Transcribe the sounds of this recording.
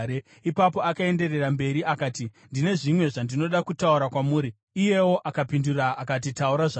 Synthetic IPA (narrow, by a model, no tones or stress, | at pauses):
e | ipapo̞akae̞nde̞re̞rambe̞ɾiʔakaːtindine̞ʐimwe̞ʐandino̞ɗakutauɾakwamuːɾiː | je̞wo̞ʔakapinduraːkat̬itauɾaʐa